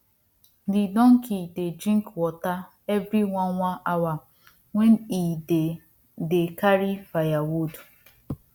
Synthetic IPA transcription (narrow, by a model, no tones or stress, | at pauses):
didɔŋ̩kided͡ʒĩŋkwɔta | evɾiŋʷaŋʷaʔawa | ŋʷenide | dekaɾifajawodu